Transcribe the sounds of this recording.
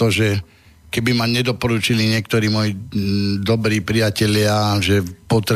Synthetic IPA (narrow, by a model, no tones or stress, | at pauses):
ɔʒɛ | kɛbimaɲɛd̪ɔpɔɾut͡ʃiliɲɪɛk̚t̪ɔɾiːmɔjid̪ɔbɾiːpɾijacɛʎɪaʒɛpɔt̪ɾ